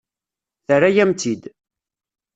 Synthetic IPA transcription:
θəɾajæmt̪id̪

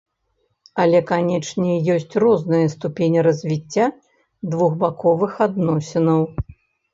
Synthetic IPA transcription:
ɐlʲɛkanʲɛt͡ʂnʲɛjɔsʲt͡sʲrɔznɨjɐst̪upʲenʲiɾɐzʲvʲit͡sʲːa | d̪vuɣbakɔvɨxad̪nɔsʲinɐw

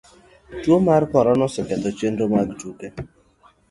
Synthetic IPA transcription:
twomaɾpɔɾɔnɔsɛkɛd̪ɔt͡ʃendomaɡtuke

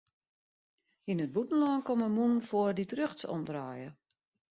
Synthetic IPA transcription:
inət̚butn̩lɔnkɔməmunfoərditrøxtsɔ̰mdraːjə

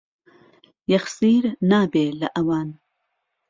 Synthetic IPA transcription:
jaxsiːɾnaːbeːlaʔawɑːn

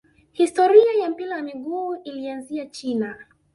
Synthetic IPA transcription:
histɔɾiajam̩pilajamiɠuːilianziat͡ʃina

